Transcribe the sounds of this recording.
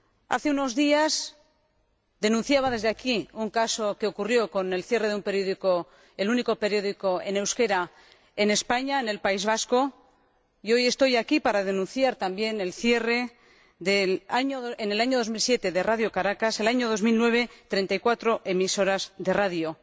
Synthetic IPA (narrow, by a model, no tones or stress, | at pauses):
a̰θe̞uno̞zðias | d̪e̞nũn̟θjaβ̞aðe̞zðe̞akiuŋkaso̞ke̞o̞kurjoko̞ne̞lθje̞re̞ðeumpeɾjoðiko | eluniko̞pe̞ɾjo̞ðiko̞e̞ne̞wske̞ɾa | e̞ne̞spaɲaene̞lpaizβ̞asko̞ | io̞je̞st̪o̞jakipaɾaðe̞nũnθjaɾt̪ambje̞ne̞lθje̞re̞ | ðelaɲoðoene̞laɲo̞ð̞o̞zmilsje̞t̪e̞ðe̞raðjo̞kaɾakase̞laɲo̞ð̞o̞zmilnwe̞β̞e̞t̪ɾe̞nt̪ajkwat̪ɾo̞ʔe̞miso̞ɾazðeraðjo